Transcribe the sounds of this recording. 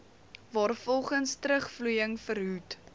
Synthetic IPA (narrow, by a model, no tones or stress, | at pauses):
vɑːrfɔlˠχənstɾəχflujəŋfəɾɦut